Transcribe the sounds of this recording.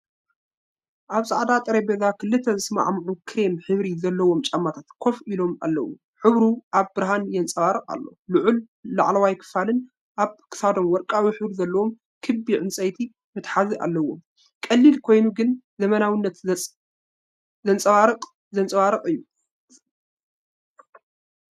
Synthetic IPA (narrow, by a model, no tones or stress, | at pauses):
ʔaβsʼaʕd̪at̪ʼɨɾɐjbezakʰɨlːɨt̪ʰːɐzɨsɨma̰ʕmʕukʰɨɾemħɨβɾizɐlːɐwo̞mt͡ʃʼɐmːat̪ʰat̪kʰo̞filo̞ma̰lːɐ̰wu | ħɨβɾuʔaβbɨɾɦanjɛnt͡sʼɐwaɾɨqʼa̰lːo̰luʕulː | a̰ʕlɐwajkʰɨ̥falɨn | ʔaβkʰɨ̥sad̪o̞mwɔɾkʼawiħɨβɾizɐlːɐwo̞m | kʰɨbːiʕɨnsʼɐjt̪ʰi | mɨt̪ħaziʔa̰lːɐwo̞m | kʼɐlːilkʰo̞jnuɡɨn | zɐmɐnawinːɐt̪ | zɐnt͡sʼɐwaɾɨqʼ | zɐnt͡sʼɐwaɾɨqʼɨjːu